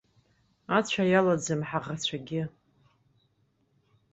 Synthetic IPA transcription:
at͡ɕʷʰajalad͡zɨmħaʁat͡ɕʷʰaɡʲɪ

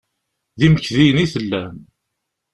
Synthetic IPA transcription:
ðiməçðijəniθəlːæm

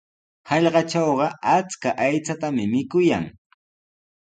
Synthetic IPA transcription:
hɑʎɢɑt͡ʃɑwɢɑat͡skaʔajt͡sat̪amɪmɪkʊja̰ŋ

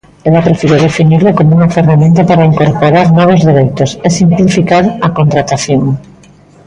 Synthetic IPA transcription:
elapɾefiɾoðefiniɾlokomouŋaferamẽnt̪̬apaɾaiŋkoɾpoɾaɾnɔβ̞ozðeɾejt̪osesimplifikaɾakont̪ɾat̪aθjoŋ

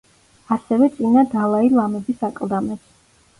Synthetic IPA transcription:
asɛvɛt̪sʼinad̪alˠailˠamɛbisakʼlˠd̪amɛts

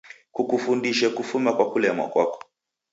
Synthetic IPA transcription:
kukufundiʃɛkufumakwakulɛmwa̰kwa̰kɔ̥

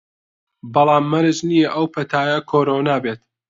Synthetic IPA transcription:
bɑlˠaːmːɐɾɨd͡ʒnijɐʔɐwpʰɐt̪ʰaːjɐkʰoːɾoːnaːbeːt̪̚

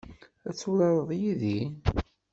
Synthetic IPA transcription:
æt͡sːulɑɾˤəðˤjiði

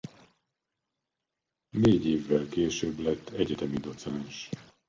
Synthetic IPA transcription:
neːɟeːvːɛlkeːʃøblɛt̪ʰːɛɟɛt̪ɛmid̪o̞t̪sɛɛnʃ

